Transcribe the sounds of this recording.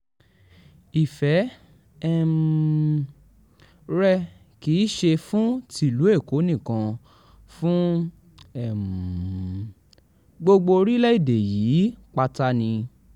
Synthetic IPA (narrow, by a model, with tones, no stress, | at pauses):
i˨fɛ˨˦ | ɛ˦m | ɾɛ˧ | ki˨˦ʃe˧fũ˦ti˦˨lu˨˦e˦˨ko˨˦nĩ˦˨kã˧ | fũ˦ | ɛ˦˨m | ɡ͡bo˧ɡ͡bo˧ɾi˦lɛ˦i˦˨de˨jiː˨˦k͡pa˧ta˧nĩ˧